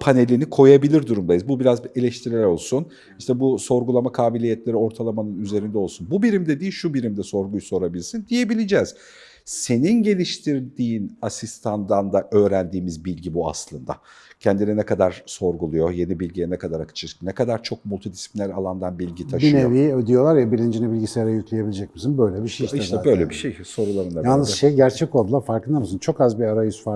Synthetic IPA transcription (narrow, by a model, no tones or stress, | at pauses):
pʰane̞lʲinikʰo̞jabilʲiɾd̪uɾumd̪ajɯzbubiɾaze̞lʲɛʃt̪ʰiɾɛɾo̞lˠsun | iʃt̪ʰɛbuso̞ɾɡulˠamakʰaːbilʲijɛt̪lʲe̞ɾio̞ɾt̪ʰalˠamanɯnyze̞ɾind̪ɛolˠsunbubiɾimd̪ɛd̪iːʃubiɾimd̪ɛso̞ɾɡujuso̞ɾabilʲɾsind̪ije̞bilʲid͡ʒɛːz̥ | se̞ninɟe̞lʲiʃt̪ʰiɾd̪iːnasist̪ʰand̪and̪aʔø̞ːɾænd̪iːmizbilʲɟibua̰slˠɯnd̪a̰ | cʰɛnd̪ininɛkʰad̪aɾ̥so̞ɾɡulˠujo̞je̞nibilʲɟijɛnɛkʰad̪aɾakʰɯ̥t͡ʃʰɯɾʰnɛkʰad̪aɾt͡ʃʰo̞k̚mulʲˠt̪ʰid̪isi̥plʲinʲæɾalˠand̪anbilʲɟit̪ʰabʃinevid̪ijo̞lˠaɾjabilʲind͡ʒinɛbilʲɟisejɾɛjyclʲejebilʲid͡ʒɛc̚misinbøjlʲɛbiʃeiʃiɛt̪ɛbø̞jlʲebiʃejso̞ɾulˠaɾɯnajalnɯzʃejɟæɾt͡ʃʰɛco̞lˠd̪ulˠaɾfaɾkɯnd̪amɯsɯnt͡ʃʰo̞kazbiaɾajysfa